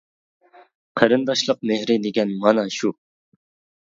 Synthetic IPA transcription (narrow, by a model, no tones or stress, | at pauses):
qʰəɾɨnd̪ɑʃlˠəq̚mehɾɪd̪ɪɡʲɛnmɑnɑʃu